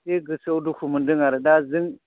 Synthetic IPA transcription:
teɡəsauduhumundiŋaɾdaziŋ

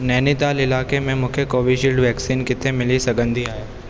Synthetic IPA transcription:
nɛːnɪt̪aːlɪlaːkemẽmʊkʰjəkoːʋiʃiːlɖʋɛːksiːnkɪt̪ʰemɪlisɐɡə̃nd̪ʱiaːjaː

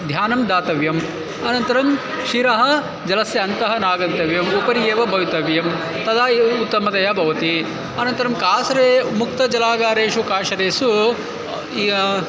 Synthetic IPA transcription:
d̪ʱjaːnɐmd̪aːt̪ɐʋjɐm | ɐnɐnt̪ɐɾɐm | ʃiɾɐɦɐ̆ | d͡ʒɐlɐsjɐɐnt̪ɐɦɐnaːɡɐnt̪ɐʋjɐmupɐɾijeːʋɐbʱɐjit̪ɐʋjɐm | t̪ɐd̪aːut̪ːɐmɐd̪ɐjɐbʱɐʋɐt̪i | ɐnɐnt̪ɐɾɐmkaːsɐɾeːmuk̚t̪ɐd͡ʒɐlaːɡaːɾeːʃukaːʃɐɾeːsu

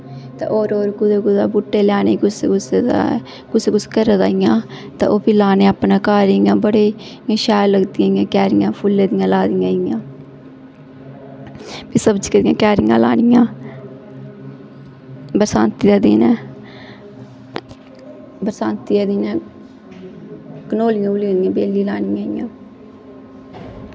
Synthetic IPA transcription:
t̪ã̰ːʔoːɾoːɾkʊd̪eːkʊd̪aːbuʈːeːlaːneːkʊsekʊsed̪̰ | kʊseːkʊskəɾd̪aːɪjãː | t̪ã̰ːʔoːpiːlaːneːaːpnãːkaːɾijãːbəɽeːjãːʃaːləɡd̪ijãːijãːkɛːɾɪjãːpʰʊlːeːd̪ijãːlaːd̪ijãːɪjãː | piːsəbd͡ʒkəd̪ɪjã̰ːkɛːɾɪjã̰ːla̰ːnɪjãː | bəɾsaːnt̪iːd̪aːd̪iːnɛː | bəɾsãːnt̪iːaːd̪iːnɛ̃ː | kənoːlɪjãːʊliãːd̪ɪjãːbeːliːlaːnɪjãːɪjã̰ː

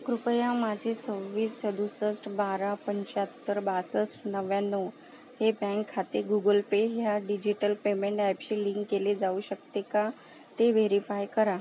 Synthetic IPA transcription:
kɾupəjãmad͡ʑʱesəɾʋiːsəd̪usəsʈbaɾapəɲt͡ɕat̪ːəɾbasəsʈnəʋjanːo | hebɛ̃ŋkʰːat̪eɡuɡəlpeɦjaɖid͡ʑiʈəlpemeɳʈɛpɕiliŋkːeled͡zauɕəkt̪eka | t̪eʋeɾifajkəɾa

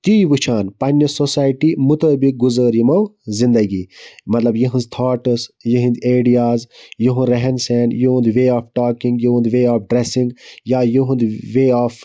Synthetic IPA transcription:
t̪iʋɨt͡ʃʰaːnpɐnːɐsosaːjʈimut̪əːbik̚ɡuzəːɾimɐwzĩnd̪ɐɡiːmɐt̪lɐbjiɦɨ̃nzt̪ʰɔːʈəsjiɦĩnd̪eːɖijaːzjiɦũɾɐɦɛnsɛːnjuɦũnd̪ʋeːaːfʰʈaːkĩŋɡjiɦũnd̪ʋeːaːpʰɖɾesĩŋɡjaːjuɦũnd̪ʋeːaːfʰ

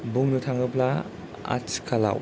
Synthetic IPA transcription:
buŋnutʰaŋɯpla | a̰t͡ʃkʰala̰w

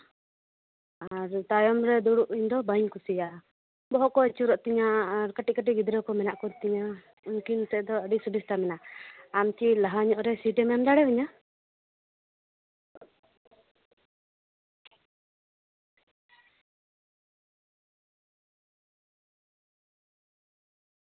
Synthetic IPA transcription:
aɾt̪ajɔmɾɛd̪uɽuʔiɲd̪ɔbaɲkusijaʔ | bɔɦɔʔkɔɛt͡ʃuɾɔʔt̪iɲaːɾkəʈiʔ̚kəʈ̬iɡid̪ɾɛwkɔmɛnaʔkɔɾt̪iɲa | uŋkint̪ɛd̪ɔəɖisuɖist̪amɛnaamt͡ʃilaɦaɲɔʔɾɛsiʈɛmamd̪aɽɛbɛɲa

